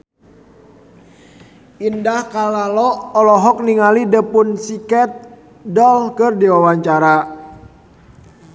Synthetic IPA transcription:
indahkalalɔːlɔɦɔk̚niŋalidəpʊnsikɛt̪̚ | dɔlkɨrdiwawaɲt͡ʃaɾa

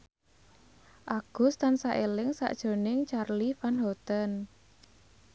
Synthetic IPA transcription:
ʔaɡ̥ʊ̤st̪ansaʔelɪŋsa̰ʔd̥ʒ̥o̤nɪŋt͡ʃarlifanhɔt̪ən

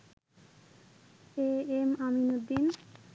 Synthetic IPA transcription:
eemaminod̪in

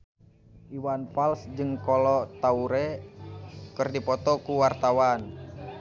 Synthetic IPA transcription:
ʔiwanpalsd͡ʒɨŋkɔlɔt̪auɾɛ | kɨrdipɔt̪ɔkuwart̪awan

